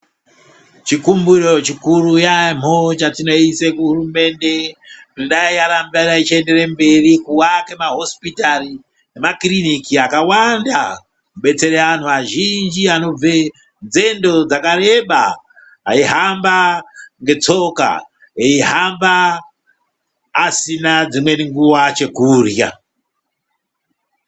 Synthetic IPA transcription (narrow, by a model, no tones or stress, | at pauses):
t͡ʃikumbuɾot͡ʃikurujam̤ot͡ʃatino̞isekuɦurume̞nde̞tinoɗaiaɾambaɗait͡ʃiende̞ɾemberikuwakemaɦo̞spitari | nemakrinikiakawanda | kuɓe̞t͡se̞ɾeʋan̤uʋaʒind͡ʒiano̞b͡ve | nd͡ze̞ndo̞d͡zakare̞ɓa | a̰iɦambaŋɡe̞t͡so̞ka̰ | eiɦamba | sinad͡zimwe̞niŋɡuwat͡ʃe̞kuːrja̰